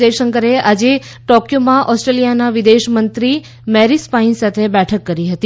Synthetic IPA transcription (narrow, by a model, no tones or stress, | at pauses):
eʃəŋkəɾeʔad͡ʒe | ʈɔkjomãʔɔsʈɾelijanaʋid̪eʃmənt̪ɾi | mɛɾispainsat̪ʰebɛʈʰəkːəɾiɦət̪i